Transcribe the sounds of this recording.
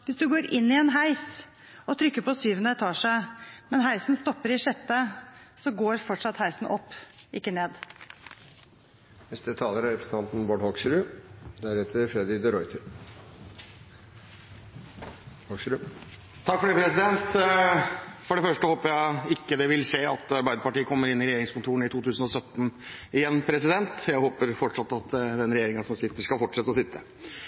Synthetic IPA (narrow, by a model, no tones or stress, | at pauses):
ʋɪsd̪ʉɡoːɾɪnːɪɛnɦæɪs | ɔt̪ʰɾʏkːəpɔsyːʋənət̪ʰɑːʂæɪmɛnɦæɪsnst̪ɔpːəɾɪʂɛt̪ːəsɔɡoːɾfɔʈʂɑt̪hæɪsn̩ʔɔpːʔɪkːəneːd̪ | nɛst̪ət̪ʰɑːləɾæɾɛpʰɾəs̩t̪ʰɑnt̪n̩bɔɖhɔksɾʉd̪æɾɛt̪əɾfɾɛd̪ɪd̪əɾɔʏt̪ʰəɾ | ɔsɾʉ | t̪ʰɑkfɔɖiːpʰɾɛsɪd̪ɛnt̪ | fɔɖɛfœʂʈəhoːpəɾjæɪɪkːəd̪ɛʋɪlʂeːɑt̪ɑɾbæɪd̪əpɑʈiːəkʰɔmːəɾɪnːɪɾɛjeːɾɪŋskʊnt̪ʰuːɾənɪt̪ʰuːt̪ʰʉːsənɔsœt̪ːn̩ɪjɛnːpʰɾɛsɪd̪ɛnt̪jæɪhoːpəɾfɔʈʂɑt̪ːɑt̪d̪ɛnɾɛjeːɾɪŋɑsɔmsɪt̪ːəʂkɑlfɔʈʂɛt̪ːəɔsɪt̪ʰːə